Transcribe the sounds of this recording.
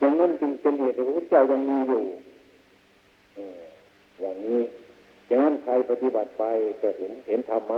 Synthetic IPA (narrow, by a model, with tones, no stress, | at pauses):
t͡ɕa˧ŋna˧˥˨npi˧ŋpe˧˨nheː˨˩t̪̚ːʰa˧˥kʰu˧˥˦t͡ɕaː˧˩˨wja˧ŋmiː˧˥˨juː˧˩ | ʔɯː˧˩ | jaː˨˩ŋniː˥˩ | t͡ɕaː˨˧ŋna˧˥˨nkʰaː˧jpa˧t̪i˧ba˨˩t̪̚pa˧jka˧˩he˨˦nhe˨˦nt̪ʰa˧mːaː˧